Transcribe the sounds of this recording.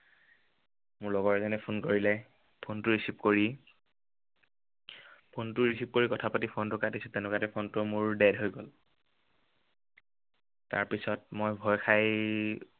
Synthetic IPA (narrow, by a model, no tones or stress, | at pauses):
mʊɹlɔɡɔɹɛzɔnɛpʰunkoɹilɛ | pʰontʊɹisipkoɹi | pʰontʊɹisip̚koɹikɔtʰapatipʰontʊkatisʊtɛnʊkatɛpʰontʊmʊɹdɛdɦojɡol | ta̰ɹpisɔt̚mojbʱɔjkʰaj